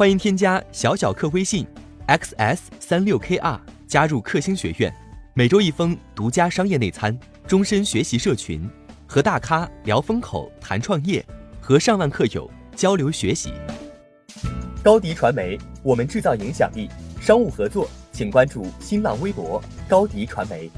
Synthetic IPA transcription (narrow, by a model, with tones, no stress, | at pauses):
xwa˥ni˧˥ŋt̪ʰjɛ˥nt͡ɕja˥ɕjɑ˧˥ʊɕjɑ˨˩ʊkʰɤ˥˩xwe˥ɪɕi˥˩ŋɛ˥ksɛ˥˩ssa˥nljo˥˩ʊkʰe˥ʔa̰˥˩t͡ɕja˥ɻu˥˧kʰɤ˥˩ɕi˥ŋɕɥɛ˧˥ɥɛ̰˥˩nme˨˩ɪʈ͡ʂo˥ʊi˥˩fɤ˥ŋt̪u˧˥t͡ɕja˥ʂɑ˥ŋjɛ˥˧ne˥˩ɪt͡sʰa˥n | ʈ͡ʂʊ˥ŋʂə˥nɕɥɛ˧˥ɕi˧˥ʂɤ˥˩t͡ɕʰy̰˧˥nxɤ˧˥t̪a˥˩kʰa˥ljɑ˧˥ʊfɤ˥ŋkʰo̰˨˩ʊt̪ʰa̰˧˥nʈ͡ʂʰwɑ˥˧ŋjɛ̰˥˩xɤ˧˥ʂɑ˥˧ŋwa˥˧nkʰɤ˥˩jo̰˨˩˦ʊ | t͡ɕjɑ˥ʊljo˧˥ʊɕɥɛ˧˥ɕḭ˧˥ | kɑ˥ʊt̪i˧˥ʈ͡ʂʰwa˧˥nme˧˥ɪwɔ˨˩mə˦nʈ͡ʂɻ̩˥˧t͡sɑ˥˩ʊi˧˥ŋɕjɑ̰˨˩ŋli˥˩ʂɑ˥ŋu˥˩xɤ˧˥t͡swɔ˥˩t͡ɕʰi˨˩ŋkwa˥nʈ͡ʂu˥˩ɕi˥nlɑ̰˥˩ŋwe˥ɪpwɔ˧˥kɑ˥ʊt̪i˧˥ʈ͡ʂʰwa˧˥nme˧˥ɪ